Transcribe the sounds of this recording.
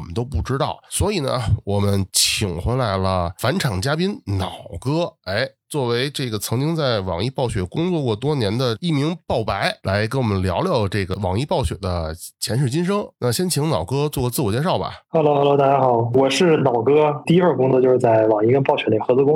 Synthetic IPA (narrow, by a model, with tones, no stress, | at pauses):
mə˦nt̪̬o˥pu˥˩ʈ͡ʂɻ̩˥t̪ɑ˥˩ʊswɔ˧˥i˨˩nə̰˦wɔ˨˩mə˦nt͡ɕʰi˨˩ŋxwe˧˥la˧˥ɪlə˧fa˧˥nʈ͡ʂʰɑ˨˩ŋt͡ɕja˥pi˥nnɑ˨˩ʊkɤ˥e˥˩ɪt͡swɔ˥˩we˧˥ɪʈ͡ʂɤ˥˩ɡə˩t͡sʰɤ˧˥ŋt͡ɕi˥ŋt͡sa˥˩ɪwɑ̰˨˩ŋi˥˩pɑ˥˩ʊɕɥɛ˨˩kʊ˥ŋt͡swɔ˥˧kwɔ˥˩t̪̬wɔ˥njɛ˧˥nd̪ə˧i˥˩mi˧˥ŋpɑ˥˩ʊpa˧˥ɪlʔa˧˥ɪk̬e˧˥nwɔ˨˩mə˦nljɑ̰˧˥ʊljɑ˥˧ʊʈ͡ʂɤ˥˩ɡə˩wɑ˨˩ŋi˥˧pɑ˥˩ʊɕɥɛ̰˨˩d̪ə˦t͡ɕʰjɛ˧˥nʂ̬ɻ̩˥˩t͡ɕi˥nʂ̬ɤ˥ŋna˥˩ɕjɛ˥nt͡ɕʰi˧˥ŋnɑ˨˩ʊkɤ˥t͡swɔ˥˩kwɔ˧t͡sɹ̩˥˩wɔ˨˩t͡ɕjʂɑ˥˩ʊbɐ̰˨˩xa˧˥lo˥xa˧˥˩lo˥t̪a˥˩t͡ɕja˥xɑ˨˩˦ʊwɔ˨˩ʂɻ̩˥˩nɑ˨˩ʊkɤ˥t̪i˥˧i˥xə˥˩kʊ˥ŋt͡sɔ˥˧t͡ɕo˥˧ʊʂɻ̩˥˧˩t͡sa˥˩ɪwɑ˨˩ŋi˥kə˥npɑ˥˩ʊɕɥɛ˨˧˥nli˨˩xɤ˧˥t͡sɹ̩˥˧kʊ˥ŋ